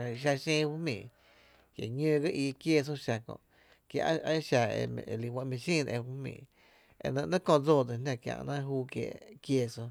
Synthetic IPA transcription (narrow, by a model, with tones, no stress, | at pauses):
ʃa˧ʃẽː˦˧fu˦mḭ̃ː˨ | kje˨ɲə̃ː˦˧ɡə˦ʔiː˧kje˦s̬o˦ʃa˧kõ̰˧˨ʔ | kja̰˧ʔa˦ʃa˧ḛ˧li˧˨wã˧ʔmĩ˧ʃĩː˦˨n˧e˧fu˦mḭ̃ː˨ | ḛ˧nə̃˧ʔnã˦kõ˧˨d͡zoː˦˨d̪e˨nã˧kjã̰˧ʔnã˦ɦuː˦kjḛ˧˨kje˧so˧